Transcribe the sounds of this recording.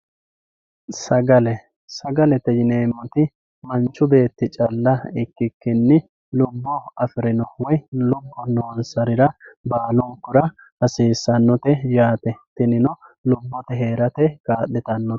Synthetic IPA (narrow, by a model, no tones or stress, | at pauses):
sɐɡɐlɛ | sɐɡɐlɛt̪ɛjɪne̞ːmːɔt̪ɪ | mɐnt͡ʃːʊbe̞ːt̪ːɪt͡ʃʼɐlːɐɪkːɪkːɪnːɪ | lʊbːɔɐfɪɾɪnɔwɔjlʊbːɔnoːnsɐɾɪɾɐbaːlʊŋkːʊɾɐ | ɐsiːsːɐnːɔt̪ɛjaːt̪ɛt̪ɪnɪnɔlʊbːɔt̪ɛɦeːɾɐt̪ɛkaːɗɛt̪ɐnːɔɛ̥